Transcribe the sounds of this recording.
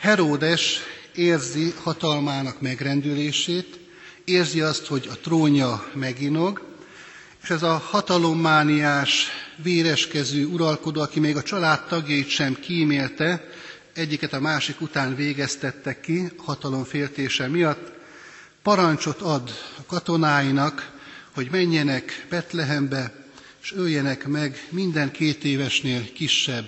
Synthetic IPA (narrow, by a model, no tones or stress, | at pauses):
hɛɾoːd̪ɛʃeːrzihɒt̪ɒlmaːnɒkmɛɡrɛnd̪yleːʃeːt̪ | eːrziɒst̪ho̞ɟɒt̪roːɲɒmɛɡino̞ɡ | eːʃɛzɒhɒt̪ɒlo̞mːaːniaːʃʋeːɾɛʃkɛzøːuɾɒlko̞d̪oːɒkimeːɡɒt͡ʃɒlaːt̪ːɒɡjɒit̪ʃɛmkiːmeːlt̪ɛ | ɛɟːikɛt̪ɒmaːʃikut̪aːnveːɡɛst̪ɛt̪ːɛkːiɒhɒt̪ɒlo̞ɱfeːlt̪eːʃɛmijɒt̪ː | pɒɾɒɲt͡ʃo̞t̪ɒd̪ɒkɒt̪o̞naːjinɒkho̞ɟmɛɲːɛnɛkb̥ɛt̪lɛɦɛmbɛ | ʃøljɛnɛkmɛɡmind̪ɛŋkeːt̪eːvɛʃneːlkiʃːɛbː